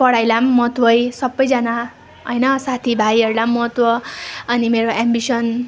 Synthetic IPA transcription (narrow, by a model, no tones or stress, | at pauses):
pʌɽajlamːʌt̪wʌjsʌbʌjd͡zʌna | ʌjnʌsat̪ʰibʱajʌɾulamːʌt̪wʌʌnimeɾoʔambisʌn